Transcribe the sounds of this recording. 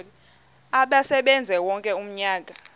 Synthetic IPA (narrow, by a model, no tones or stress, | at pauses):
aɓasɛɓɛnd͡zʱɛwɔŋkʼɛum̩ɲaːk̬a